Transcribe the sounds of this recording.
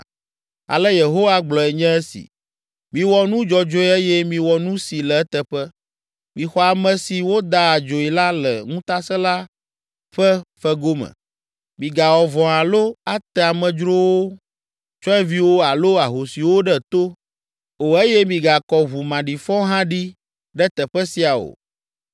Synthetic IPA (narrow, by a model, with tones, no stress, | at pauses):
a̰˨lɛ˦je˨ɦo˦wa˦ɡ͡blɔ˨ɛ˨ɲɛ̃˦ɛ˦sḭ˨ | mĩ˨wɔ˨nũ˦d͡ʒɔ˨d͡ʒo˦ɛ˦e˦jɛ˦mĩ˨wɔ˨nũ˦si˨lɛ˨ɛ˦t̪ɛ˦˨ɸɛ˦ | mĩ˨xɔ˨a˨mɛ̃˨si˨wo˦d̪a˦a˨d͡ʒo˨i˨la˦lɛ˨ŋũ˦t̪a˦sɛ˦la˦ | ɸɛ˦fɛ˦ɡo˦mə̰̃˨ | mĩ˨ɡa˨wɔ˨vɔ̃˨a˨lo˦a˨t̪ɛ˨a˨mɛ̃˨d͡ʒɾo˦wo˦ | t͡ʃɔ˦ɛ˦vi˦wo˦a˨lo˦a˨ɦo˨si˨wo˦ɖɛ˦t̪o˦ | o˨e˦jɛ˦mĩ˨ɡa˨kɔ˨βu˨mã˨ɖi˨fɔ̃˦ɦã˦ɖi˦ | ɖɛ˦t̪ɛ˨ɸɛ˦si˦a˨o̰˨